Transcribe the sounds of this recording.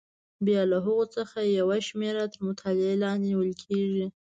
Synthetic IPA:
bjɑlaɦʊɣot͡səxajawaʃmeɾat̪əɾmʊt̪ʰɑlɪelɑnd̪niwəlkʰeʒi

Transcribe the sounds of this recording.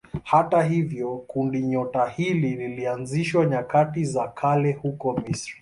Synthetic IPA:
hataɦivjɔkundiɲɔtahilililianziʃwaɲakatizakʰalɛhukɔmisɾi

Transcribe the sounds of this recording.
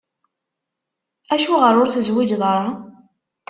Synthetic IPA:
æʃuʁəɾˤʊɾθəzwid͡ʒðˤɾˤɑ

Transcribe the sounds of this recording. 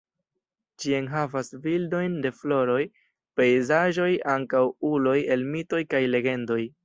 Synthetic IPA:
t͡ʃianɦavasvildo̞jnde̞flo̞ɾo̞j | pe̞jzaʒo̞jaŋkawulo̞je̞lmito̞jkajle̞ɡe̞ndo̞j

